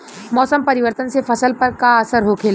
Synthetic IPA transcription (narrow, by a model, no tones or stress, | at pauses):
mɔːsəmpɐɾɪʋəɾt̪ənsefɐsəlpɐɾkaɐsəɾɦokʰeːl